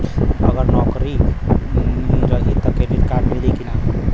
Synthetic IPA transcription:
əɡəɾnɔkɾi | ɾəɦit̪ɔkedit̪kaɖmelikina

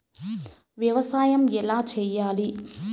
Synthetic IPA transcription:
ʋjɐʋɐsaːjɐmɛlaːt͡ʃɛjːaːli

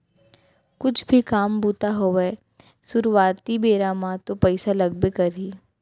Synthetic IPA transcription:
kʊt͡ʃʰbʱikaːmbuːt̪aɦoʋe | sʊɾuʋaːt̪ibeːɾaːmãt̪opɛɪsalɐɡ̚bekɐɾiː

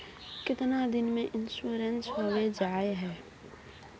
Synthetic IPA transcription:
kɪt̪nad̪ɪnmẽʔɪnʃuːɾensɦowed͡ʒaːeɦɛː

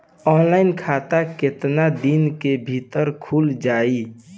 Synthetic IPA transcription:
ɔːnlaːɪnkʰat̪aket̪nad̪inkebʱit̪əɾkʰuld͡ʒaːi

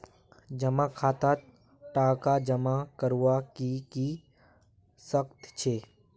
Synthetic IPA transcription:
d͡ʒəmakʰaːt̪at̪ | ʈaːkad͡ʒəmakəɾwakiki | səkt̪t͡ʃʰeː

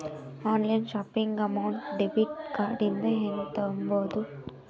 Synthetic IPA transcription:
aːnlɐjnʃaːpiŋɡɐmɐwɳʈɖebiʈ̚kaːɖind̪ɐɦeːnut̪ɐumboːd̪u

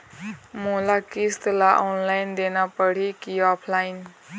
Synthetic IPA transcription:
molakist̪laʔɔnlajnd̪enapʌɽ̤ikiɔpʰlajn

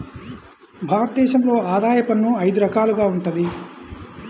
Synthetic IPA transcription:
bʱaːɾɐt̪ɐd̪ɛːʃɐmlo̞ːaːd̪aːjɐpɐnːuɐjd̪uɾɐkaːluɡaːuɳʈund̪i

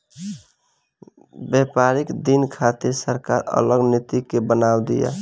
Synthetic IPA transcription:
bɛpaɾikd̪inkʰat̪iɾsəɾkaɾə̰ləɡnit̪ikebənawd̪ḭja̰

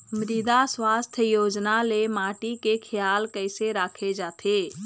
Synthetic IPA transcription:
mɾiːd̪aswaːst̪ʰjəjoːd͡ʒnalemaːʈikekʰɪjaːlkəɪseɾaːkʰed͡ʒaːt̪ʰeː

